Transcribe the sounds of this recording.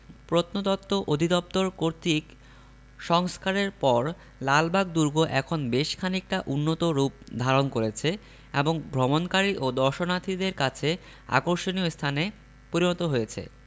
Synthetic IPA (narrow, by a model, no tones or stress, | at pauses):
pɾot̪nod̪ɔt̪ːoʔod̪ʱid̪ɔp̚t̪oɾkoɾt̪ik | ʃɔŋskaɾeɾpɔɾ | lalbaɡ̚d̪uɾɡoʔɛkʰonbeʃkʰanik̚ʈaʔunːot̪oɾup̚d̪ʱaɾonkoɾet͡ɕʰe | eboŋbʱɾomonkaɾiʔod̪ɔɾʃonat̪ʰid̪eɾkat͡ɕʰe | a̰koɾʃoniost̪ʰane | poɾinɔt̪oɦojet͡ɕʰḛ